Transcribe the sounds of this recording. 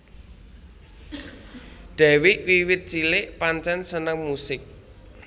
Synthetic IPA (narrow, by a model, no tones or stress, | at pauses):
d̪̥a̤wɪʔwiwɪt̪̚t͡ʃilɪʔpaɲt͡ʃɛnsənəŋmusɪk̚